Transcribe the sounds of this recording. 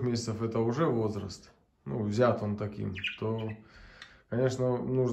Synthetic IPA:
xmʲesʲɪt̪səfɛt̪əʊʐɛvo̞zɾə̰st̪ | nṵvzʲat̪o̞nt̪ɐkʲḭmt̪o | kɐnʲe̞ʂnənuʐ

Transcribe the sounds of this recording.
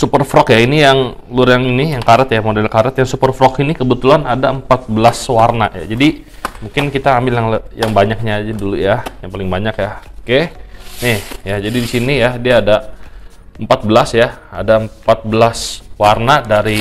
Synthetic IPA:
supərfɾɔkjainijaŋ | lʊrjaŋinijaŋkaɾət̪jamodɛlkaɾət̪jaŋsupərfɾɔkinikəbət̪ulanadaəmpat̪̚bəlaswarna̰ja̰d͡ʒadimuŋkɪnkit̪aːmbɪljaŋljaŋbaɲak̚ɲaːd͡ʒadulujajaŋpalɪŋbaɲakjakenɪhjad͡ʒadidisinijadiaːda | əmpat̪̚bəlasjaa̰daəmpat̪̚bəlaswarnadaɾi

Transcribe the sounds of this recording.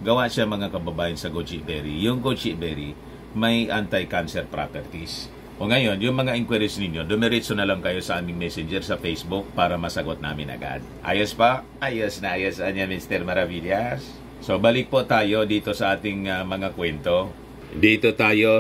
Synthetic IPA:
ɡɐwaʔʃaɐŋmɐŋakɐbɐbaːjɐnsɐɡot͡ʃɪbɛɾijʊŋɡot͡ʃɪʔbɛɾi | mɐjʔant̪ajkansɛɾpɾa̰pɛɾt̪is | ʔoŋɐjo̞njʊŋmɐŋaʔɪŋkwɛɾɪsnɪnjo̞d̪ʊmɛɾɪsonɐlɐŋkɐjo̞sɐʔaːmɪŋmɛsɪnd͡ʒɛɾsɐfejsbʊk̚paːɾɐmɐsɐɡot̪̚na̰ːmɪnʔɐ̰ɡa̰d̪̚ʔa̰ːjɐspaʔajasnɐʔaːjasɐnɲamɪnst̪ɛɾmɐɾavilas | sobalɪk̚pot̪aːjo̞d̪iːt̪o̞sɐʔaːt̪ɪŋamɐŋakwɛnt̪o | d̪iːt̪ot̪aːjo

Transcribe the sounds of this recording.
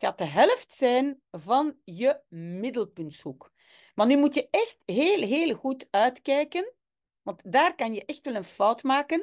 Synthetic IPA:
xaːt̚əɦɛləftsɛjn | vɑnjəmɪdəlˠpɵntshuk | manyːmutjəɛxtɦeːlˠɦeːlˠɣutœɥtkɛjkən | ʋɑntdaːrkɑnjəʔɛxtʋɛlənfɔwtmaːkən

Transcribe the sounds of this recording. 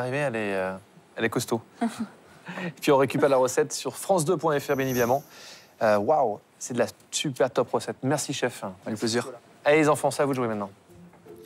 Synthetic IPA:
aʁiveɛlɛø | ɛlɛkɔst̪o | pɥiɔ̃ʁekʲypɛʁlaʁəsɛt̪syʁfχɑ̃s̬d̪øpwɛ̃ɛfɛʁbjɛnevid̪amɑ̃ | øwaw | sɛd̪əla | sypɛʁt̪ɔpʁəsɛt̪mɛʁsiʃɛfɛpleziʁ | aelezɑ̃fɑ̃savuʒwemɛ̃t̪nɑ̃

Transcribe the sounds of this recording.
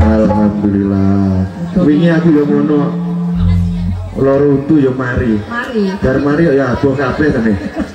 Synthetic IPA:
alɦapilila | wiŋiakujomonɔ | lɔɾɔut̪ujɔmaɾid͡ʒ̥aɾmaɾijaab̥ɔkapɛt̪əne

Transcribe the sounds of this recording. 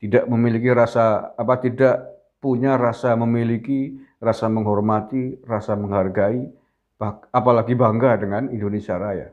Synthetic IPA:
t̪idaʔməmilikiɾasaːpat̪idaʔ | puɲaɾasaməmilikirasaməŋɦɔrmat̪irasaməŋɦharɡai | b̥aapalaɡibaŋɡadəŋanindonesiaɾaja̰

